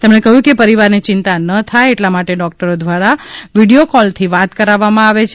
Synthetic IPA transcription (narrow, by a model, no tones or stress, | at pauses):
t̪emɳekəɦjũkepəɾiʋaɾnit͡ʃɪnt̪anət̪ʰajeʈlamaʈeɖɔk̚ʈəɾod̪ʋaɽaʋiɽiokɔlt̪ʰiʋat̪kəɾaʋːamãaʋet͡ʃʰe